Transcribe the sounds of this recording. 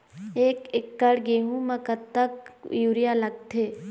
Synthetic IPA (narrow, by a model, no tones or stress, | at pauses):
eːkɪkːɐɽɡeːɦũmɐ̃kət̪t̪ɐkjuːɾijalɐɡ̚t̪ʰeː